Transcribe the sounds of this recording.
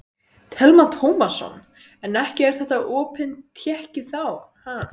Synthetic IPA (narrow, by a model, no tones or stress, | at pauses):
t̪ʰɛlmat̪ʰowmasːɔ̰n | ɛnɛhcɪɛɾ̥θɛht̪aʔɔːpʰɪnt̪ʰjɛhcɪθawha